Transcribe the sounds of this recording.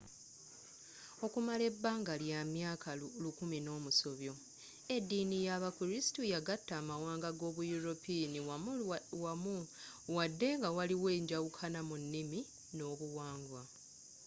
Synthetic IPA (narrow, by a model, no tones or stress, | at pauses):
o̞kumale̞bːaːŋɡaljamjaːkalukumino̞ːmuso̞βjo̞ | e̞dːiːnijaβakuɾisi̥tujaɡatːaːmawaːŋɡaɡo̞ːβujuɾopini | wamu | wadːe̞ŋɡawaliwe̞ːɲɟawukʰanamunːimi | no̞ːβuwaːŋɡwa